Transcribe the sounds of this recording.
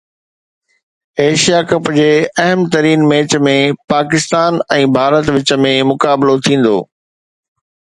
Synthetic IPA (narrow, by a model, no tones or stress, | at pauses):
eːʃijakɐpʊd͡ʑeːɐɦəmt̪ɐɾiːnmeːt͡ɕmẽpaːkɪst̪aːnɛ̃ːbʱaːɾət̪ʋɪt͡ɕə̆mẽmʊkaːbɪlot̪ʰĩːn̆d̪o̰ː